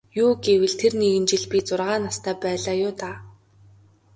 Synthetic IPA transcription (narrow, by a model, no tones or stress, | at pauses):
juːɡewɘ̆ɮt̪ʰerniɣɘ̆nt͡ɕɪ̆ɮpʲit͡sʊrʁaːnast̪ʰæːpæːɮaːjʊːt̪aː